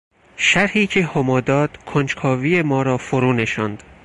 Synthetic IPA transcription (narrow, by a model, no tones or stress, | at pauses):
ʃæɾhiːcʰe̞homɒːd̪ɒːd̪̥kʰont͡ʃkʰɒːvije̞mɒːɾɒːfoɾuːne̞ʃɒnd̪̥